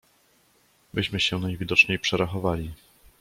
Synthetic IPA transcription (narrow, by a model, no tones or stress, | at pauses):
bɘɕmɘɕɛnajvʲid̪ɔt͡ʂɲejpʂɛɾaxɔvalʲi